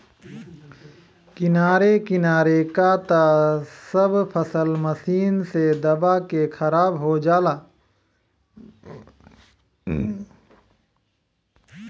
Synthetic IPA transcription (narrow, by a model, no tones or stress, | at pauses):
kɪnaːɾekɪnaːɾekat̪asəbpʰəsəlməsiːnsed̪ɐbakexʰɐɾaːbɦod͡ʒaːlaː